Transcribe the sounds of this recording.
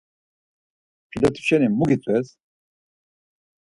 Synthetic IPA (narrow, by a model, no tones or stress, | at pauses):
pʰilat̪ʰʼu̥fʃɛnimuɡit͡s̪ʼwɛs